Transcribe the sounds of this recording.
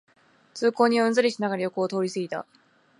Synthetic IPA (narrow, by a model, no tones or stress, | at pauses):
t͡sɨːko̞ːɲ̟iɯ̃nd͡zɨɾʲiɕinaɡaɾajo̞koːt̪o̞ːɾʲisɨɡʲit̪a̰